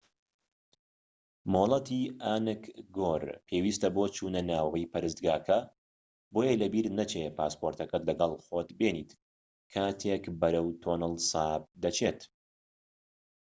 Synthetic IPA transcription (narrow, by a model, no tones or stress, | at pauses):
molˠɐt̪iaːnɨkɡoɾpʰewiːst̪ɐbot͡ʃʰuːnɐnaːwɐjpʰɐɾɨsd̪ɡaːkʰɐ | bojelɐbiɾnɐt͡ʃepaːspoɾt̪ɐkɐt̪lɐɡɐlˠxoːt̪beːniːt̪ | kʰaːt̪ʰekbɐɾɐwt̪ʰoːnɨlˠsaːb̚d̪ɐt͡ʃʰet̪